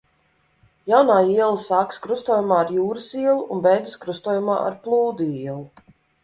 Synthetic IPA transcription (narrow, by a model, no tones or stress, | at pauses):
jawnaːiɛlˠisaːkskɾust̪uɔːjumaːɾjuːɾɨsiɛlˠuʔːnbɛjd̪ɨskɾust̪uːjuma̰ːʔa̰ɾplˠuːd̪uiɛlˠu